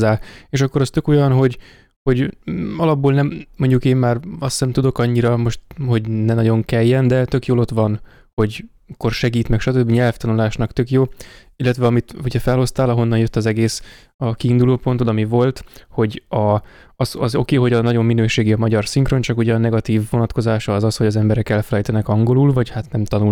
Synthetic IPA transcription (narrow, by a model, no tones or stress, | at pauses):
aːeːʃɒkːo̞ɾɒst̪ø̞ko̞jɒnɦo̞ɟ | ho̞ɟɒlɒbːoːlnɛmːo̞ɲɟukeːmːaːrɒsɛmt̪ud̪o̞kɒɲːiɾɒmo̞ʃt̪ho̞ɟnɛnɒɟo̞ŋkɛjːɛnd̪ɛt̪ø̞kjoːlo̞t̪ʋɒn | ho̞ɟ | kːorʃɛɡiːt̪mɛkʃɒt̪ø̞bːiɲɛlft̪ɒnulaːʃnɒkt̪ø̞kjoː | ilːɛt̪ʋɛɒmit̪uɟɛfɛlho̞st̪aːlɒɦo̞nːɒnjø̞t̪ːɒzɛɡeːs | ɒkiːnd̪uloːpo̞nt̪od̪ɒmivo̞lt̪ho̞ɟɒ | ɒzɒzo̞̰keːɦo̞ɟɒnɒɟo̞mːinøːʃeːɡiɒmɒɟɒrsiŋkro̞nt͡ʃɒkuɟɛɒnɛɡɒt̪iːvːo̞nɒt̪ko̞zaːʃɒːzɒsho̞ɟɒzɛmbɛɾɛkɛlfɛlɛjt̪ɛnɛkɒŋɡo̞lulvɒchat̪nɛmt̪ɒnul